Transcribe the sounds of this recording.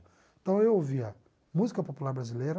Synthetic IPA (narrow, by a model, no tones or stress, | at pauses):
ẽt̪ɐ̃w̃ewoviɐ | muzikɐpopulaɾbɾazileɾɐ